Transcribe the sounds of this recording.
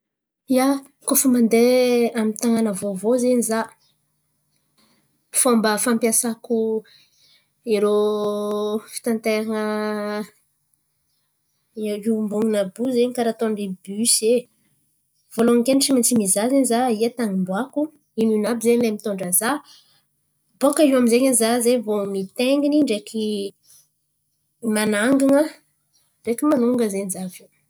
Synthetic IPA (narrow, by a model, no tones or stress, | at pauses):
ia | kofumand̪eamit̪aŋanəvovozeɲiza | fambəfampjasaku | eɾo | fi̥t̪ant̪eɾanə | imbuŋinəbuzeɲikaɾat̪oɳɖ͡ʐibyse | v̥oloŋkeniʈ͡ʂimint͡simizazeɲizaiat̪aŋimbwaku | inunabizeɲlemit̪oɳɖ͡ʐəza | bokaiwaminzeɲanzazevomit̪eŋɡiniɳɖ͡ʐeki | manaŋɡiŋə | ɳɖ͡ʐekimanuŋɡəzenizavi